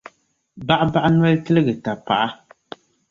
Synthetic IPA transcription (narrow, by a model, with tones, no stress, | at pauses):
ba˦ʔba˦ʔn˦ɛ˦ltɨ˦lɨ˦ɡɨ˨ta˨pa̰˨ʔa˦